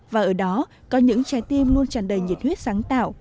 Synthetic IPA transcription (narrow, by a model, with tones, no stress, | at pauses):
vaː˨˩ʔəː˧˩ɗɔ˨˦ | kɔ˨˦ɲɨ̰˧˥ŋt͡ɕaː˨˧˦jt̪i˧əmlu˧ənt͡ɕa˧˩nɗəː˨˩jɲi˨˩t̚hwi˦˥ət̚saː˨˦ŋt̪aː˧˨˩w